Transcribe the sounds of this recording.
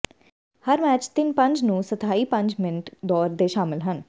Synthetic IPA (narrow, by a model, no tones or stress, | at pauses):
həɾmɛːt͡ʃt̪ɪnpə̃ɲd͡ʒnũːsət̪ʰaːiːpə̃ɲd͡ʒmɪnʈd̪ɔːɾd̪eːʃaːmɪlɦən